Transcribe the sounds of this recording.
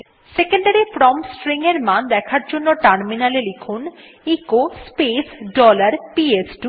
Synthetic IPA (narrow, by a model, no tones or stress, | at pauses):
sekeɳɖaɾipɾɔmsʈɾiŋeɾmand̪ɛkʰaɾd͡ʑonːoʈaɾminalelekʰun | ikospesɖɔlaɾpiesɖu